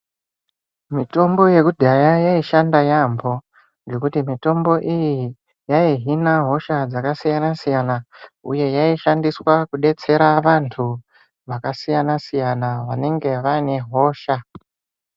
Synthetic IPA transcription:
mito̞mbo̞je̞kudʱajajaiʃandajambo̞ | ŋɡe̞kutimito̞mbo̞ʔiji | jaiɦinaɦo̞ʃad͡zakasijanasijanauje̞jaiʃandiswakuɗe̞t͡se̞ɾaʋantʰu | ʋakasijanasijanaʋane̞ŋɡe̞ʋane̞ɦo̞ːʃa

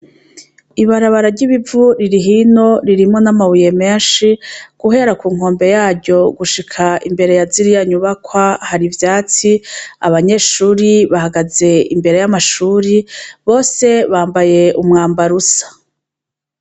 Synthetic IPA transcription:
iβaɾaβaɾaɾɟiβivuɾiɾiɦino̞ɾiɾimŋo̞namawuje̞me̞ːnʃiɡ̥uɦe̞ɾakuːŋo̞ːmbe̞jaːɾɟo̞ɡuʃikʰaʔimbe̞ɾe̞jaziɾijaɲuβakwahaɾivjaːt͡siaβaɲe̞ːʃuːɾiβahaɡaze̞imbe̞ɾe̞jamaʃuːɾiβo̞ːse̞βaːmbaje̞umŋaːmbaɾusḁ

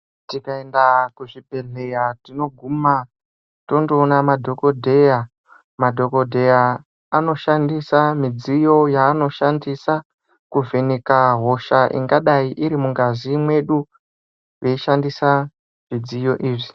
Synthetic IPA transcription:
tikae̞ndakuʐibʱe̞ɮejatino̞ɡʱuma | to̞ndoːnamadʱo̞ko̞dʱe̞ja | madʱo̞ko̞dʱe̞jaː | no̞ʃandisamid͡zijo̞jaːno̞ʃandisa | kuvenikaɦo̞ʃaʔḭŋɡaɗaiʔiɾimuŋɡazimwe̞ɗu | ʋe̞iʃandisa | ʐid͡zijo̞̰ʔiːʐi

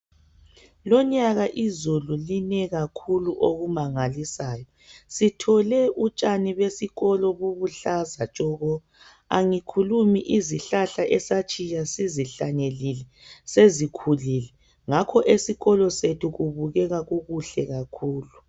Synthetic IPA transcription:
lɔɲaɣaʔizululinɛɣakʰuluʔoɣumaŋalisaːjɔ | sitʰɔlɛʔut͡ʃʼaniβesiɣɔlɔβuβuɬazat͡ʃʼɔɣɔ | aŋikʰulumiʔiziɬaɬaʔɛsat͡ʃʼijasiziɬaɲelilɛ | sezikʰulilɛ | ŋakʰɔʔesiɣɔlɔsetʰuɣuβuɣɛɣaɣuɣuɬɛɣakʰuːlu

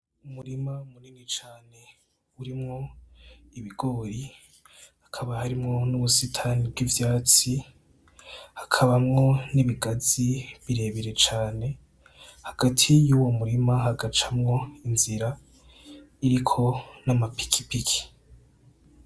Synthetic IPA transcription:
umuɾimamuniːnit͡ʃaːne̞ | uɾimŋo̞ | iβiɡ̥o̞ːɾi | akʰaβahaɾimŋo̞nuβusitʰanib̚ɡivjaːt͡si | hakʰaβamŋo̞niβiɡaziβiɾe̞ːβiɾe̞t͡ʃaːne̞ | haɡ̥atʰijuwo̞muɾimaɦaɡat͡ʃamŋo̞inziɾa | iɾikʰo̞namapi̥kʰi̥pikʰi̥

